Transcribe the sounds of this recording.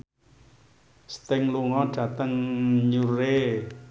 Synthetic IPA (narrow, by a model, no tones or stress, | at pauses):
st̪ɪŋluŋɔɖ̥ä̤t̪əŋɲuɾe